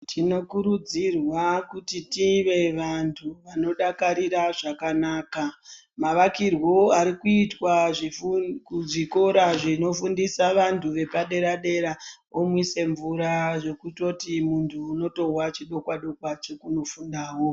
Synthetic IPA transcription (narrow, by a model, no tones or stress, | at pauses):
tʰino̞kuɾud͡zirwakutitiʋe̞ʋantʰuʋano̞ɗakaɾiɾaʐakanaːka | maʋakirwo̞aɾikuitwaʐikʐiko̞ɾaʐino̞fundisaʋantʰuʋe̞paɗe̞ɾaɗe̞ɾa | omwise̞ɱvuɾaʐo̞kuto̞timuntʰuːno̞to̞ɦwat͡ʃiɗo̞kwaɗo̞kwat͡ʃo̞kuno̞fundaːwo